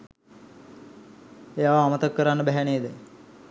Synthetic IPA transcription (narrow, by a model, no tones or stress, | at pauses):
ejaːʋaːmət̪ɐkːəɾanːəbɛɦæɳeːd̪ɛ